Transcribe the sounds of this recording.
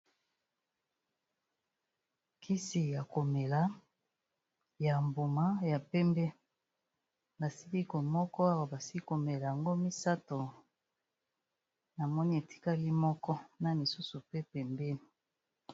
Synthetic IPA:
kʰi˦si˨ja˨ko˨me˨la˦ | ja˨mbu˨ma˦ja˨pɛ˦mbɛ˦ | ba˨si˦li˦ko˨mɔ˦kɔ˦a˦wa˨ba˨si˦ko˨me˨la˨ja˨ŋɡo˦mi˦sa˦to˨ | na˨mɔ˦ni˦e˨ti̥˦ka˦li˦mɔ˦kɔ˦na˨li˨su˦su˨pe˦pɛ˨mbɛ˦ni˨

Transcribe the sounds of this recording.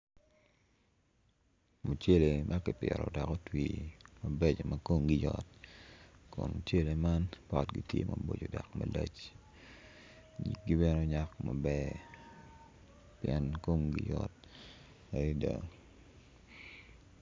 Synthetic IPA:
mu˨t͡ʃe˦le˨mʔa˦kɪ˨pjɛ˨ɾɔ˨da˨kɔ˦twiːma˨be˦t͡ʃma˨ko˦ŋɡi˦jɔt̚ | kʊ˨nmut͡ʃe˦le˨ma˦npa˨tɡi˦tjḛ˦ma˨bo˨d͡ʒo˨da˨kma˨le˦t͡ʃ | ɲi˨k̚ɡi˦bɛ˦no˦ɲa˦kma˨bɛ˦ | pjɛ˦nko˦ŋɡi˦jɔt̚ | a˨i˦da˨

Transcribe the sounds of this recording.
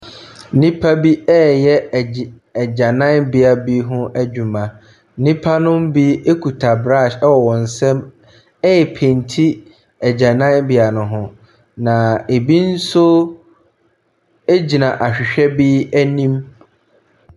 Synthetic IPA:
n̩˦nĩ˦pʰa˦bi˦ɛː˦jɛ˦˨ | d͡ʑã˨nã˦nbɪ˨a˨bi˦ɦʊ̃˦ʔæ˦d͡ʑᶣu˨mã˨ | n̩˦nĩ˦pʰa˦nʊ̃˦m˦bi˦e˦kʰu˨tʰa˨bɾa˦˨ʃɛ˦wɔ˨wɔ̃˨n̩˨sɛ̃˦m | ɛ˦jɛ˨pʰẽ˨ntʰi˦ | ɛ˨d͡ʑã˨nã˦nbɪ˨a˨nʊ̃˨ɦʊ̃˦ | nã˨e˨bi˦n̩˦sʊ˦ | e˦d͡ʑi˨nã˨ʔa˨ɕᶣɪ˨ɕᶣɛ˦bi˦æ˦nĩ˦m

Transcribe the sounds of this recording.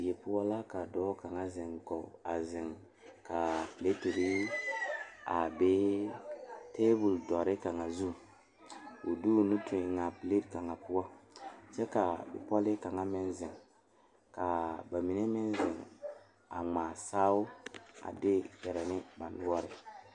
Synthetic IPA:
je˨pu˦wa˦la˦ka˨dɔː˦ka˨ŋa˦zɪ˨ŋɡɔ˨a˨zɪ˨ŋ | ka˨pi˨le˦te˨ɾi˦ | a˨be˦ | te˦bu˨ldɔ˨ɾɪ˦ka˨ŋa˨zu˦ | u˨du˦˨nu˦tʰu˨ɪ˨ŋa˨pi˨le˦tka˨ŋa˨pu˦wa˦t͡ʃɛ˦ka˨bɪ̰˨pɔ˦lɪ˦ka˨ŋa˦mɪ˦nzɪ˨ŋ | ka˨ba˨mi˨ne˦mɪ˦nzɪ˨ŋ | a̰˨ŋ͡maː˨saː˦u˦a̰˨dɪ˦kɛ˨ɾɛ˨nɪ˦ba˨n˦wɔ˦ɾɪ˦

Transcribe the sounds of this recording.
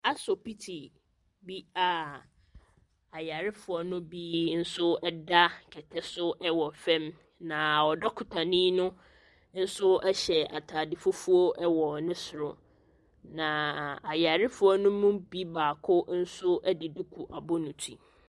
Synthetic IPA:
a˦sɔ˨pi˦tʰi˨ | bi˦a˨ | a˨ja˨ɾɪ˦fʊ˨ɔ˦nʊ̃˦bi˦n̩˦sʊ˦ɛ˦da˦kʰɛ˨tʰɛ˦sʊ˦ʔɛ˦wɔ˨fɛ̃˦m | nã˨ɔ˨dɔ˦kʰʊ˨tʰã˨nĩ˦nʊ̃˦ | n̩˦sʊ˦ɛ˦ɕɛ˨a˨tʰaː˨dɪ˨fʊ˦fu˦o˦ʔɛ˦wɔ˨nɪ̃˦sʊ˨ɾʊ̰˨ | nã˨a˨ja˨ɾɪ˦fʊ˦ɔ˦nʊ̃˦mũ˦bi˦baː˨kʰʊ˦n̩˦sʊ˦ʔɛ˦dɪ˨du˦kʰu˨ʔa˨bʊ˦nʊ̃˨tʰḭ˨

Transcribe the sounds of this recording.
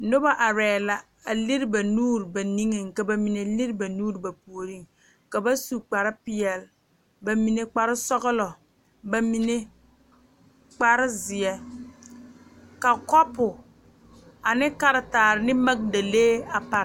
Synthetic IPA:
nʊ˦ba˦ʔa˨ɾɛː˨la˨ | a˨lɪ˦ɾba˨nuː˦ɾba˨ni˦ŋɪ˨ŋka˨ba˨mi˨ne˨lɪ˦ɾba˨nuː˦ɾba˨pu˨o˨ɾi˦ŋ | ka˨ba˦su˦k͡pa˨ɾɪ˦pɪ˦ɛ˨l | ba˨mi˨ne˨k͡pa˨ɾɪ˦sɔ˦ɣɪ˦lɔ˨ | ba˨mi˨ne˦ | k͡pa˦ɾɪ˦zɪ˨ɛ˦ | ka˨kɔ˦pʊ˨ | a˨nɪ˦ka˦ɾɪ˨taː˨ɾɪ˨nɪ˦ma˦k̚da˨leː˦a˨pa˨ɾ

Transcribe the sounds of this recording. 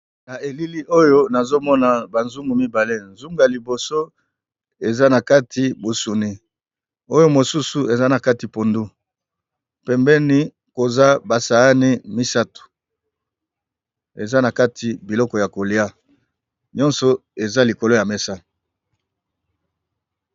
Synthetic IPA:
na˨e˨li˦li˦ʔo˦jo˦na˨zo˦mɔ˦na˨ba˨nzu˦ŋɡu˨mi˦ba˨le˦nzu˦ŋɡa˨li˨bo˨so˦ | e˨za˦na˨ka˦tʰi˨bo˨su˨ni˦ | o˦jo˦mo˨su˦su˨e˨za˦na˨ka˦ti˨po˨ndu˦ | pɛ˨mbɛ˦ni˦ | ko˨za˦ba˨sa˨ɣa˦ni˦mi˦sa˦tu̥˨ | e˨za˦na˨ka˦tʰi˨bi˨lɔ˦kɔ˨ja˨ko˨li˦a˦ | ɲɔ̃˦nsɔ˨e˨za˦li˨ko˨lo˦ja˨mɛ˦sa˦

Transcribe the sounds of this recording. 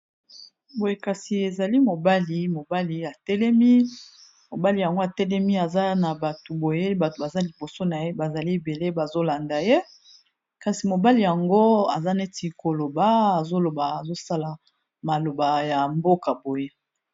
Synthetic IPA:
bo˨je˦ka˨si˨e˨za˨li˦mo˨ba˦li˨mo˨ba˦li˨a˨tɛ˦lɛ˦mi˦ | mo˨ba˦li˨ja˨ŋɡo˦a˨tɛ˦lɛ˦mi˦a˨za˦na˨ba˨tu˨bo˨je˦ba˨to˨ba˨za˦li˨bo˨so˦na˨je˦ba˨za˨li˦e˨be˨le˦ba˨zo˦la˨nda˨je˦ | ka˨si˨mo˨ba˦li˨ja˨ŋɡo˦a˨za˦ne˦ti˨ko˨lo˨ba˨˦a˨zo˦lo˨ba˨a˨zo˦sa˦la˨ | ma˨lo˨ba˨ja˨mbo˦ka˨bo˨je˦

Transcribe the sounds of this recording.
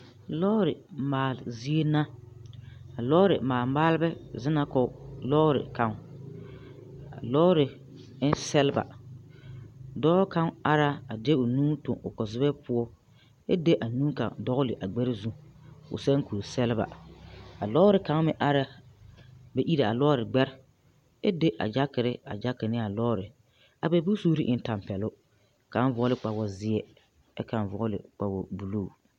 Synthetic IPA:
lɔ˦ɾɪ˨maː˨lzi˦e˦na˦ | a˨lɔː˦ɾɪ̰˨maː˨lmaː˦lbɛ˦zɪ˦na˦kɔ˦lɔː˦ɾɪ̰˨ka˨ŋ | a̰˨lɔ˦ɾɪ˨˦ | sɛ˦lɪ˦ba̰˨ | dɔ˦ka˦ŋa˦ɾa˦a˨dɛ˦ʊ˨nuː˦tʊ̰˨ŋʊ˨kɔ˨zɪ˦bɛ˦pʊ˦ɔ˦ | ɛ̰˦de˦ʔa˨nũː˦ka̰˨ŋdɔ˦ɣʊ˦lɪ˨ʔa˨ɡ͡bɛ˦ɾɪ˦zu˦ʊ̰˨sɛ˦ŋ˦ku˨ɾsɛ˦lɪ˦ba̰˨a˨lɔ˦ɾɪ˨ka˨˦ŋ˦mɪ˦ʔa˦ɾa˦ | bɛ˦ʔi˦ɾa˨a˨lɔː˦ɾɪ˨ɡ͡bɛ˦ɾ | ɛ˦de˦ʔa̰˨d͡ʒa˦kɪ˨ɾɪ˦a̰˨d͡ʒa˦kɪ˨nɪ˦a˨lɔː˦ɾɪ˨ | a˨bɛ˨bu˦suː˦ɾɪ˦ʔɪ˦n˦ta˨m˨pɛ˨lʊ˦ | ka˨˦n˦vɔ˨˦lɪ˦k͡pa˨wɔ˨zɪ˦ɛ˦ | ɛ̰˦ka˨n˨vɔ˨˦lɪ̰˨k͡pa˨wɔ˨bu˨luː˦˨

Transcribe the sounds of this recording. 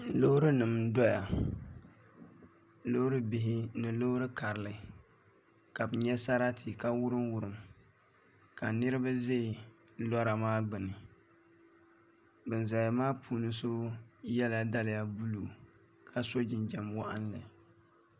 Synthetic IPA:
lo˦hɾɨ˦nɨ˨mdɔ˦ja˨ | lo˦hɾɨ˦bɪ˨ɦɪ˦nɨ˨lo˦hɾɨ˦ka˨ɾɨ˨lɨ˨˦ | ka˨bɨ˨ɲɛ˦sa˦ɾa˦tʰi˨ka˦wʊ˦ɾɨ˦mwʊ˨ɾɨ˨m | ka˨nɨ˦ɾɨ˦ba˦ze˦˨lɔ˦ɾa˨maː˦ɡ͡bɨ˨nɨ˨ | bɨ˨nza˨ja˨maː˦pʰuː˨nɨ˦so˦jɛ˦la˨da˦lɪ˨ja˨bu˦lu˨ | kʰa˦so˦d͡ʒɪ˨nd͡ʒɛ˨mwa˦ʔa˦nlɨ˨

